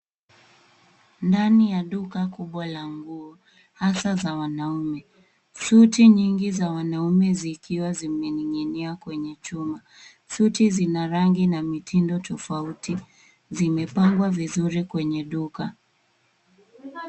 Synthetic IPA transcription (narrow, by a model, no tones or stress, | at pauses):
ndanijaɗukakuɓwalaŋɡuɔ | hasazawanaumɛ | sutiɲiŋɡizawanaumɛzikiwazimɛniŋɛniakwɛɲɛt͡ʃuma | sutizinaɾaŋɡinamitʰindɔtɔfauti | zimɛpaŋɡwavizuɾikwɛɲɛɗuka